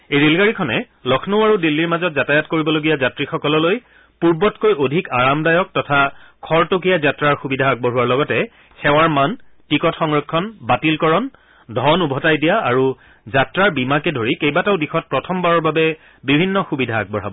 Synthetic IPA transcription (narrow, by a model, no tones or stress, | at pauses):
ejɹelɡaɹikʰɔnɛ | lɔkʰnoʊaɹudilːiɹmazɔt̚zatajatkoɹibɔloɡijazatɹixɔkɔlɔloj | puɹbɔtkojodʱikaɹamdajɔk̚tɔtʰakʰɔɹtok̬ijazatɹaɹxubidʱaːɡ̚bɔɹɦuwaɹlɔɡɔtɛ | xʰɛwaɹmantikɔtxɔŋɹɔkʰːɔnbatilkɔɹɔn | dʱɔnubʱɔtajdijaaɹu | zatɹaɹbimakɛdʱoɹikejbataʊdixɔt̚pɹɔtʰɔmbaɹɔɹbabɛ | bibʱinːɔxubidʱaːɡ̚bɔɹɦabɔ